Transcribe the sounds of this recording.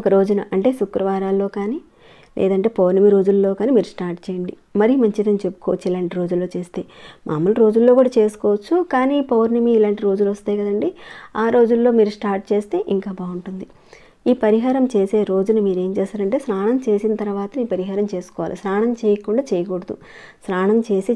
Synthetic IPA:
ɔkɐɾo̞ːd͡ʒunɐ̰ʔɐɳʈe̞ːsukɾɐʋaːɾaːlːo̞ːkaːniː | lʔɛ̰ːd̪ɐɳʈe̞ːpoːɾnɐmiɾo̞ːd͡ʒulːo̞ːkaːniːmiːɾusʈaːɾʈt͡ʃeːjɐɳɖi | mɐɾijumɐɲt͡ʃid̪ɐnt͡ʃe̞pːu̥kɔːʋɐt͡ʃːuilaːɳʈiɾo̞ːd͡ʒulːoːt͡ʃe̞ːst̪e̞ːmʔaːmɐluɾo̞ːd͡ʒulːoːkuːɽaːt͡ʃe̞ːsu̥kɔːʋɐt͡ʃːukaːniːpoːɾnɐmiːlaːɳʈiɾo̞ːd͡ʒuluʋɐst̪aːjkɐd̪ɐɳɖiaːɾo̞ːd͡ʒulːo̞ːmiːɾusʈaːɾʈ̚t͡ʃeːst̪e̞ːʔiŋkaːbaːuɳʈund̪i | iːpɐɾiɦaːɾɐmt͡ʃe̞ːse̞ːɾo̞ːd͡ʒunumiːɾe̞ːmt͡ʃeːsaːɾɐɳʈe̞ːsɾaːɳɐmt͡ʃe̞ːsinɐt̪ɐɾɐʋaːt̪ɐiːpɐɾiɦaːɾɐmt͡ʃe̞ːsu̥kɔːʋa̰ːlḭsɾaːɳɐmt͡ʃeːjɐkuɳɖaːt͡ʃejɐkoɽɐd̪ṵ | sɾaːɳɐmt͡ʃe̞ːsi

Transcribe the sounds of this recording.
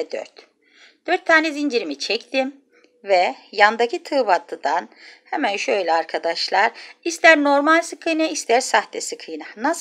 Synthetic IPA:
d̪ø̰ɾt̪ | d̪̥øɾt̪ʰːaːnɛzind͡ʒiɾimit͡ʃʰɛct̪ʰim | vɛjand̪acit̪ʰɯːbat̪ʰːɯd̪anhɛmænʃøjlʲɛaɾkʰad̪aʃlˠaɾist̪ʰæɾno̞ɾmalʲsɯkʰɯjnaist̪ʰæɾsaht̪ʰɛsɯkʰɯjnanas

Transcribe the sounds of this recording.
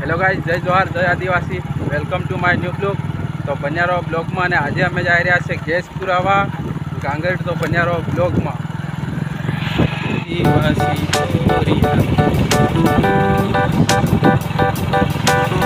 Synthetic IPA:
ɛloɡad͡ʒd͡ʒəjd̪oaɾd͡ʒəjad̪iʋasiʋelkəmʈumajnjublukt̪obənjaɾobloɡmãənead͡ʒeəmed͡ʒaiɾəjat͡ʃʰeɡespuɾaʋaɡãŋɡəɾʈt̪obənjaɾoblokmã | kiəsioɾi

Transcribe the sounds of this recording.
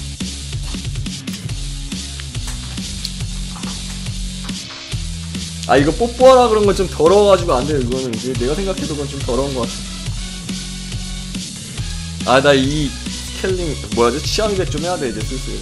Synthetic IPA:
a̰iɡʌp͈ok̚p͈oɦaɾaɡɯɾʌnɡʌnt͡ɕomtʌɾʌɡad͡ʑiɡoandejokiɡʌnɯnd͡ʑene̞ɡasʰe̞ŋɡakʰe̞doɡʌnt͡ɕomtʌɾʌɯnɡʌk͈as͈ʌ̥ | adai | kʰeɭːiŋmwʌjad͡ʑot͡ɕʰiamidet͡ɕ͈omɦejaded͡ʑes͈ʰɯs͈ɯ

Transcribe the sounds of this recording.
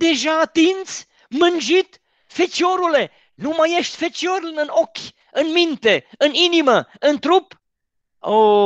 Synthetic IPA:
d̪e̞ʒaːt̪int̪s | mɨnd͡ʒit̪ | fet͡ʃoɾule̞ | numaje̞ʃt̪ʲfet͡ʃoɾlɨnokʲ | ɨnmint̪e̞ɨniniməɨnt̪ɾup | o

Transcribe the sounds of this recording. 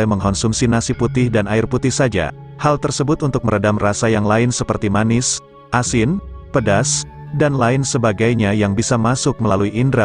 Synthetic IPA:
aməŋɦɔnsumsinasiput̪ɪhdanaɪrput̪ɪhsad͡ʒa̰ | halt̪ərsəbʊt̪unt̪ʊk̚məɾədamrasajaŋlaɪnsəpərt̪imanɪs | ʔasɪnpədas | danlaɪnsəbaɡajɲajaŋbisamasʊk̚məlaluiʔːndɾa

